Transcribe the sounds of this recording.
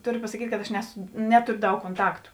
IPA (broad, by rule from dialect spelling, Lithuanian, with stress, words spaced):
ˈtoːˌrʲoː pɐsɐˈkʲiːtʲ kɐt ɐʃ ˈnʲæːsʊ ˈnʲæːtoːrʲoː ˈdɐʊk koːnˈtɑːktʊ